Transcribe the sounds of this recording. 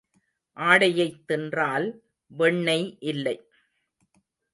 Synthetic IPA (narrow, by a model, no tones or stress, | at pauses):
ʔaːɽɐjɐɪt̪ːɛndraːl | ʋɛɳːɐɪʔɪlːɐɪ